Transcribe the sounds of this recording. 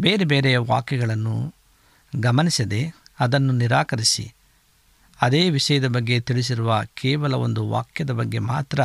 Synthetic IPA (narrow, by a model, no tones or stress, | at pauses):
be̞ːɾebeːɾɛjɐʋa̰ːkjɐɡɐɭɐnːṵ | ɡɐmɐnisɐd̪e̞ɐd̪ɐnːuniɾaːkɐɾisḭ | ɐd̪eːʋiʂɐjɐd̪ɐbɐɡːe̞t̪iɭis̬iɾuʋɐkʰɛːʋɐlɐo̞nd̪uʋa̰ːkjɐd̪ɐbɐɡːe̞maːt̪ɾɐ